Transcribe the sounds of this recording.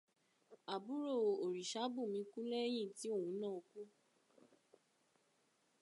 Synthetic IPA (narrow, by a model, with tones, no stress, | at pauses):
a˨bu˨˦ɾo˦˨o˨ɾi˨ʃa˨˦bu˦˨mĩ˧ku˦lɛ˦j̃ĩ˦˨ti˦o˦˨hũ˧˦nã˦˨o˧ku˦